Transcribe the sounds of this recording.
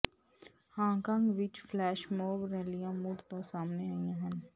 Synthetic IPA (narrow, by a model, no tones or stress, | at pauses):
hãːkãŋɡʋɪt͡ʃflɛːʃmoːbɾɛːlijãmuɽt̪õsaːmneaːĩãɦɐ̃n